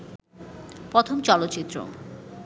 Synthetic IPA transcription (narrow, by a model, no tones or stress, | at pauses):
pɾot̪ʰomt͡ɕɔlot̪ːɕit̪ːɾo̰